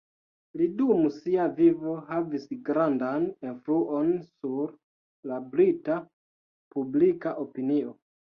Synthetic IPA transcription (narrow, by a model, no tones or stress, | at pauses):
lidumusiavivo̞havisɡɾandanenfluʔo̞nsuɾ | labɾita | publikaʔo̞pinio̞